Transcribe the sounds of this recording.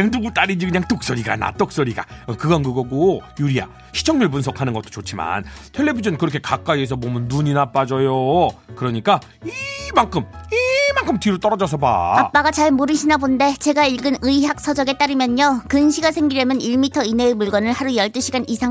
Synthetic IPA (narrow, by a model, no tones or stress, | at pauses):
eŋduɡut͈aɾind͡ʑikɯɲaŋt͈ok̚s͈ʌɾiɡa̰na̰t͈ok̚s͈ʌɾiɡa̰ʌkɯɡʌnɡɯɡʌɡojuɾia̰ | ɕʰi̥t͡ɕʰʌŋɲuɭpunsʰʌkʰanɯnɡʌt͈o̥t͡ɕot͡ɕʰima̰ntʰe̞ɭːe̞bid͡ʑʌnkɯɾʌkʰe̞kak͈aies̬ʰʌmomɯnːuɲinap͈ad͡ʑʌjokɯɾʌɲik͈a | imaŋkʰɯmimaŋkʰɯmtiɾot͈ʌɾʌd͡ʑʌs̬ʰʌba̰ap͈aɡat͡ɕaɭmoɾɯɕʰinabonde̞t͡ɕe̞ɡaiɭɡɯnɯiɦjak̚s͈ʰʌd͡ʑʌɡe̞t͈aɾɯmjʌɲokɯnɕʰiɡasʰe̞ŋɡiɾjʌmjʌniɭmitʰʌine̞ːmuɭɡwʌnɯɭhaɾujʌɭt͈ɯɕʰiɡanisʰaŋ